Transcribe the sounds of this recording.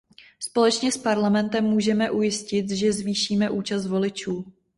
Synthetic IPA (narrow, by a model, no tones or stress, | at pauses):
spo̞lɛt͡ʃɲɛspaɾlamɛnt̪ɛmːuːʒɛmɛʔujɪscɪt̪ʒɛzviːʃiːmɛʔuːt͡ʃas̬t̪vo̞lɪt͡ʃuː